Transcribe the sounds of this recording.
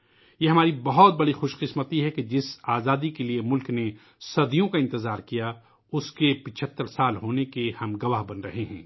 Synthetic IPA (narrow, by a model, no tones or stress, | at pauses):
jeːɦɐmaːɾibɐɦɔt̪̚bɐɽixoːʃqɪsmət̪iɦɛked͡ʒɪsaːzaːd̪ikeliemʊlkne | sɐd̪ijõkaɪ̃nt̪ɪzaːɾkija | ʊskepɪt͡ʃʰət̪ːəɾsaːlɦoːnekehɐmɡɐʋaɦbɐnɾɐ̰ɦeɦɛ̰̃ː